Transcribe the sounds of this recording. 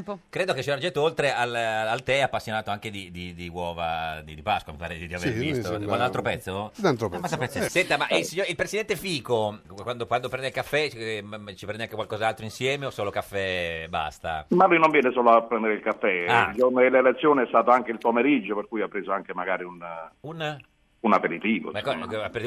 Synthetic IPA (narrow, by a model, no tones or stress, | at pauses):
kɾeːd̪oket͡ʃːiɛɾd͡ʒɛt̪ːoolt̪ɾealalt̪ɛɛapːasːjonaːt̪oaŋk̟ed̪id̪id̪iwɔːva̰d̪id̪ipaskwamipaːɾed̪id̪iavevist̪okwand̪alt̪ɾopɛt̪sːot̪ant̪ɾopmasapːɛssɛnt̪amaʔilsiɲoilpɾesid̪ɛnt̪efiːkokwand̪okwand̪opɾɛnd̪ilkafːɛt͡ʃipɾɛnd̪aŋkekwalkɔzalt̪ɾoinsjɛːmeosːoːlokafːɛba̰st̪a̰malujnoɱvjɛːnesoːloapːɾɛnd̪eɾeilkafːɛad͡ʒornelelet̪sːjoːneɛst̪aːt̪oaŋkeilpomeɾid͡ʒːoperkuːjapːɾeːzoaŋkemaɡaːɾiunun | unapeɾit̪iːvo̰ɛkːaapːeɾi